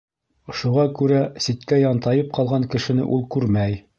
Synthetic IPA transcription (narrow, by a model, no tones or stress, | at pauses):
ŏʃuʁɑkʉɾæsit̪kæjɑnt̪ɑjɤp̚qɑlˠʁɑŋkɘ̆ʃɘ̆nɘ̰ʔulˠkʉɾmæj